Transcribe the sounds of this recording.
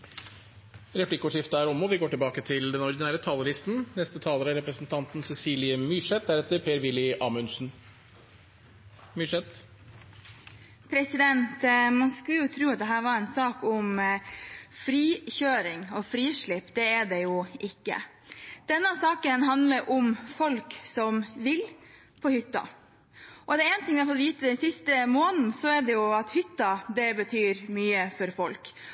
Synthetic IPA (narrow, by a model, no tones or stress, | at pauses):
ɾɛpʰlɪkːəɔʂɪft̪əæːɾɔmɔʋɪɡoːʈɪlbɑːkət̪ʰɪld̪ɛnɔɾd̪ɪnæːɾət̪ʰɑːlɔɾɪst̪n̩nɛst̪ət̪ʰɑːləɾæɾɛpɾəsn̩t̪ʰɑnt̪n̩sɛsiːlɪəmyːʂɛt̪̚d̪æɾɛt̪ːəɾpʰeːɾʋɪlːɪʔɑːmʉnsn̩ | myːʂɛt̪ | pʰɾɛsɪd̪ɛnt̪mɑnskʉljʊt̪ʰɾʉːɑt̪̚d̪ɛɦæːɾʋɑːɾɛnsɑːkʊm | fɾiːçøːɾɪŋɔfɾiːʂɭɪpːd̪ɛɛɖɛjʊʔɪkːə̰ | d̪̥ɛnːəəsɑːkənɦɑnd̪ləɾʔʊmfɔlksɔmʋɪl | pʰɔhʏt̪ːɑ̰ | ʔɔd̪ɛɛːnt̪ɪŋʋɪhɑfɔt̪ʋiːt̪əd̪ɛnsɪst̪əmoːnn̩sɔɛɖɛjʊɑt̪hʏt̪ːɑd̪ɛbət̪ʰyːɾmyːəfɔɾfɔlk